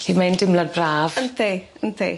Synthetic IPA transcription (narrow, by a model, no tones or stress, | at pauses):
ɬiːmajndɪmladbraːv̥əntʰiənt̪ʰḭ